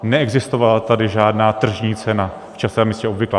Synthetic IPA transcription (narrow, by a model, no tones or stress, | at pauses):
nɛɛɡzɪst̪o̞valat̪adɪʒaːdnaːt̪r̩ʒɲiːt͡sɛna | ft͡ʃasɛmiːscɛo̞bvɪklaː